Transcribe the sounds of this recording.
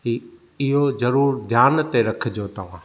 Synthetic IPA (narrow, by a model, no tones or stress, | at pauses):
ɦiː | ɪɦozɐɾuːɾd̪ʱjaːnt̪eɾɐkʰɪd͡ʑoːt̪ɐʋ̤ã̰ː